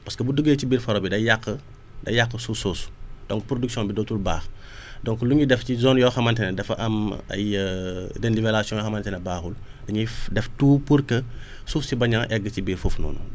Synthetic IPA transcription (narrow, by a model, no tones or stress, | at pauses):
pɐskəbudəɡeːcibiːɾfɐɾɔbidɐjaqːə | dɐjakːəsusoːsu̥d̥ɔŋpɾoduksjɔ̃nbidɔtulbaːx | dɔŋkluɲidɛfcizɔːnjɔːxɐmɐntɛnɛdɛfʔɐ̰mɐ̰j | dɛnlivɛlasijɔ̃jɔxɐmɐntɛnɛbaːxul | dɐɲidɛftuːpəɾkə | sufsibɐɲɐŋʔɛɡːəcibiːɾfuːfnɔ̰ːnṵ